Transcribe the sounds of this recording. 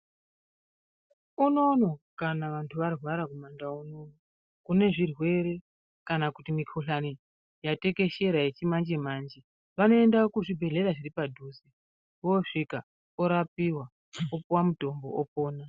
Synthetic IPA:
uno̞no̞kanaʋantʰuʋarwaɾakumandaunono | kune̞ʐirwe̞ɾe̞ | kanakutimikʰoɬani | jate̞ke̞ʃe̞ɾajet͡ʃimand͡ʒemaːnd͡ʒe | ʋano̞e̞ndakuʐibʱe̞ɮe̞ɾaʐiripadʱuːsi | ʋo̞ʂika | oɾapiwa | opuwamuto̞mbo̞̰ʔopoːna

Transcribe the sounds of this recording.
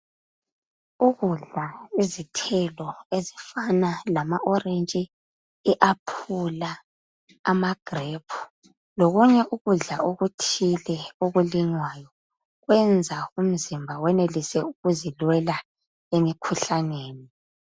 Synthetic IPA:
uɣuɮaizitʰɛlɔezifanalamaʔɔrent͡ʃʼi | iʔapʰula | amaɡ̥ʱrepʰu̥ | loɣuɲɛʔuɣuɮaoɣutʰilɛoɣuliŋwajɔ | ɣwɛnd͡zʱaum̩zimbʱawɛnelisɛuɣuzilwɛla | emikʰuɬaneːni

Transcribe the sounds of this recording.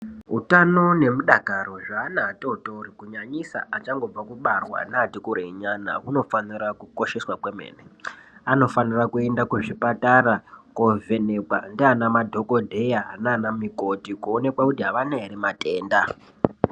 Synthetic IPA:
ɦutano̞ne̞muɗakaɾo̞ʐaːnaːtoutorikuɲaɲisa̰at͡ʃaŋɡo̞b͡vakuɓarwa̰naːtikuɾeiɲana̰kuno̞fanirakuko̞ʃe̞swakwemḛːneano̞fanirakue̞ndakuʐipataɾakovʱe̞ne̞kwandianamadʱo̞ko̞dʱejanaːnamiko̞tikuone̞kwakutiɦaʋanaeɾimate̞ːnda

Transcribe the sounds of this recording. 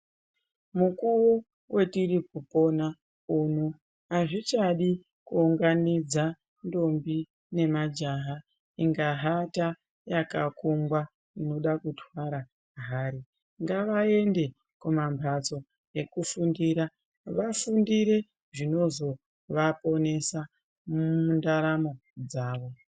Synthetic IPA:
mukuwo | we̞tirik̚upo̞na | unu | ɦaʐit͡ʃaɗi | kuuŋɡanid͡za | ndo̞mbi | ne̞mad͡ʒaɦa | iŋɡaɦata | jakakuŋɡwa | ino̞ɗakutʰwaɾa | ɦaːɾi | ŋɡaʋae̞nde̞ | kumambʱat͡so̞ | e̞kufundiɾa | ʋafundiɾe̞ | ʐino̞zo̞ | ʋapo̞ne̞sa | undaɾamo̞d͡zaːʋo̞

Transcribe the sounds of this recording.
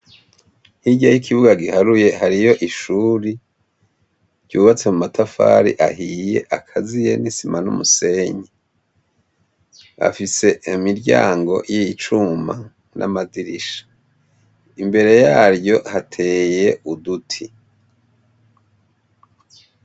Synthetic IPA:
hiɟajikʰiβuɡaɡihaɾuje̞haɾijo̞ʔiʃuːɾi | ɟ̥uːβat͡se̞mumatʰafa̰ːɾḭʔahije̞̰ʔakʰazije̞̰nisimanṵmuse̞ɲe | a̰fise̞imiɾɟa̰ːŋɡo̞̰jiit͡ʃuma | nʔa̰maziɾiʃḁ | imbe̞ɾe̞jaːɾjo̞hatʰe̞ːje̞udutʰi

